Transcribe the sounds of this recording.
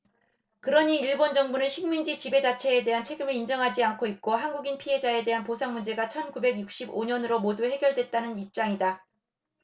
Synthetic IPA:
kɯɾʌɲiːɭbond͡ʑʌŋbunɯnɕʰiŋmind͡ʑit͡ɕibe̞d͡ʑat͡ɕʰe̞ːde̞ɦant͡ɕʰe̞ɡɯmɯɭind͡ʑʌŋɦad͡ʑiankʰoit̚k͈oɦanɡuɡinpʰiɦe̞d͡ʑae̞de̞ɦanposʰaŋmund͡ʑe̞ɡat͡ɕʰʌnkube̞ɡjuk̚ɕ͈iboɲʌnɯɾomoduhe̞ɡjʌɭdwe̞t̚t͈anɯnip̚t͡ɕ͈aŋida

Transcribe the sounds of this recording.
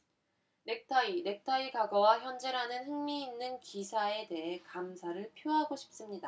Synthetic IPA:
ne̞k̚tʰaiɾe̞k̚tʰaiɡaɡʌwaçjʌnd͡ʑe̞ɾanɯnɦɯŋmiːnːɯnkisʰae̞de̞ɦe̞kamsʰaɾɯɭpʰjoɦaɡoɕʰi̥p̚s͈ɯmɲida

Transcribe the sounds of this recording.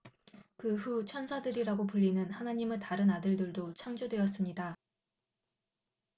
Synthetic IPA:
kɯɸut͡ɕʰʌnsʰadɯɾiɾaɡopuʎːinɯnhanaɲimetaɾɯnadɯɭdɯɭdot͡ɕʰaŋd͡ʑodwe̞ʌs͈ɯmɲida

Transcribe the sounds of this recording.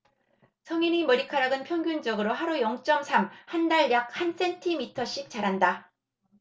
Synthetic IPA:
sʰʌŋinimʌɾikʰaɾaɡɯnpʰjʌŋɡjund͡ʑʌɡɯɾoɦaɾujʌŋt͡ɕ͈ʌmsʰamhandaɭjak̚hans͈ʰe̞ntʰimitʰʌɕ͈ik̚t͡ɕ͈aɾɦanda

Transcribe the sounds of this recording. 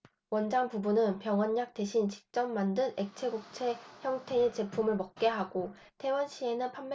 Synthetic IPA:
wʌnd͡ʑaŋpubunɯnpjʌŋʌnːak̚t͈e̞ɕʰint͡ɕi̥k̚t͡ɕ͈ʌmːandɯne̞k̚t͡ɕʰe̞ɡuk̚t͡ɕʰe̞çjʌŋtʰe̞et͡ɕe̞pʰumɯɭmʌk̚k͈e̞ɦaɡo | tʰe̞wʌnɕʰie̞nɯnpʰamː

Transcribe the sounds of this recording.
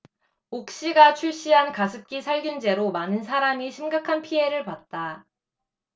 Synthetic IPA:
ok̚ɕ͈iɡat͡ɕʰuɭɕ͈iɦankasʰɯp̚k͈isʰaɭɡjund͡ʑe̞ɾomanɯnsʰaɾamiɕʰimɡakʰanpʰie̞ɾɯɭpat̚t͈a

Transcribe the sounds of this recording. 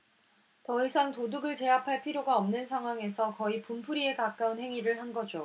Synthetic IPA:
tʌisʰaŋtoduɡɯɭt͡ɕe̞apʰaɭpʰiɾjoɡaʌmnɯnsʰaŋɦwaŋe̞sʰʌkʌipumpʰuɾie̞kak͈aunhe̞ŋiɾɯɭhanɡʌd͡ʑo

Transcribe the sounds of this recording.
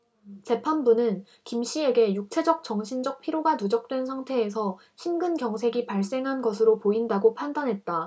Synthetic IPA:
t͡ɕe̞pʰanbunɯn | kimɕ͈ie̞ɡe̞juk̚t͡ɕʰe̞d͡ʑʌk̚t͡ɕʌŋɕʰind͡ʑʌk̚pʰiɾjoɡanud͡ʑʌk̚t͈we̞nsʰaŋtʰe̞ːsʰʌ | ɕʰinɡɯnɡjʌŋsʰe̞ɡipaɭs͈eŋɦanɡʌsʰɯɾopoindaɡopʰandanɦe̞t̚t͈a

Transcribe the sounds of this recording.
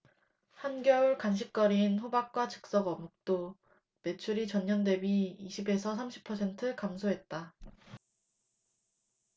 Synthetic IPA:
hanɡjʌuɭkanɕ̬ʰik̚k͈ʌɾinɸobak̚k͈wat͡ɕɯ̥k̚s͈ʌɡʌmuk̚t͈o | me̞t͡ɕʰuɾit͡ɕʌɲːʌnde̞biːɕʰibe̞sʰʌs̬ʰamɕʰi̥pʰːʌsʰe̞ntʰɯkamsʰoɦe̞t̚t͈a

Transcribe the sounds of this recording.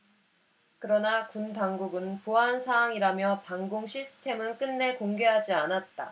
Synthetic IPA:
kɯɾʌnakuntaŋɡuɡɯnpoɦansʰaaŋiɾamjʌpaŋɡoŋɕʰisʰɯ̥tʰe̞mɯnk͈ɯnːe̞koŋɡe̞ɦad͡ʑianat̚t͈a

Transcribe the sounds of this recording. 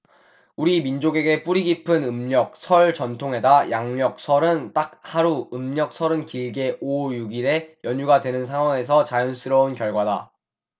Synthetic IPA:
uɾimind͡ʑoɡe̞ɡe̞p͈uɾiɡipʰɯnɯmɲʌk̚sʰʌɭt͡ɕʌntʰoŋɦe̞dajaŋɲʌk̚sʰʌɾɯnt͈ak̚haɾuɯmɲʌk̚sʰʌɾɯnkiɭɡe̞ʔojuɡiɾe̞jʌɲuɡadwe̞nɯnsʰaŋwaŋe̞sʰʌt͡ɕajʌns͈ʰɯɾʌunkjʌɭɡwada̰

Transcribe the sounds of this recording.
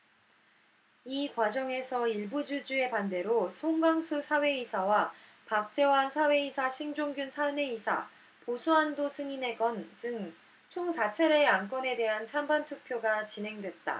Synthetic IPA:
ikwad͡ʑʌŋe̞sʰʌiɭbud͡ʑud͡ʑue̞pande̞ɾosʰoŋɡaŋsʰusʰawe̞isʰawa | pak̚t͡ɕ͈e̞waɦnsʰawe̞isʰaɕʰiŋd͡ʑoŋɡjunsʰane̞isʰa̰ | posʰuandosʰɯŋine̞ɡʌndɯŋ | t͡ɕʰoŋsʰat͡ɕʰeɾe̞ank͈ʌne̞de̞ɦant͡ɕʰambantʰuk̚pʰjoɡat͡ɕinɦe̞ŋdwe̞t̚t͈a̰

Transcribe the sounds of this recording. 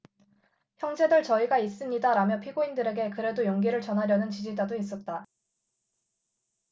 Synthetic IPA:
çjʌŋd͡ʑe̞dɯɭt͡ɕʌiɡais͈ɯmɲidaɾamjʌpʰiɡoindɯɾe̞ɡe̞kɯɾe̞dojoŋɡiɾɯɭt͡ɕʌnɦaɾjʌnɯnt͡ɕid͡ʑidadois̬͈ʌt̚t͈a

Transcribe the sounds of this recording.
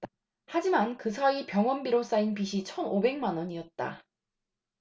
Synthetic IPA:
had͡ʑimankɯsʰaipjʌŋwʌnbiɾos͈ainpiɕʰit͡ɕʰʌnobe̞ŋmanwʌɲiʌt̚t͈a̰

